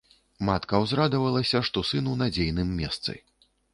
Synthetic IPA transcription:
mat̪kɐwzɾad̪ɐvɐlˠɐsʲɐʂt̪ɔsɨnunad͡zʲejnɨmːʲɛst̪sɨ̰

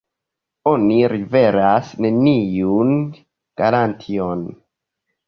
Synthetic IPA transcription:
o̞niɾive̞ɾasne̞nijun | ɡ̥aɾantʰion

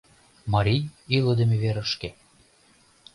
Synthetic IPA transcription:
mɑɾʲijiləd̪ĕmeβeɾəʃke

